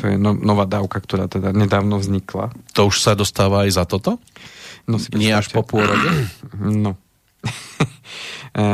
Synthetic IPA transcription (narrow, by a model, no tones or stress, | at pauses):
t̪ɔjɛ̰nɔnɔʋaːd̪aːʊkakt̪ɔɾa̰ːt̪ɛd̪aɲɛd̪aːʊnɔvzɲikla̰t̪ɔuʃsad̪ɔst̪aːʋaːjzat̪ɔt̪ɔ | nɔsi̥ɲɪɛaʃɔpʊɔɾɔɟɛnɔ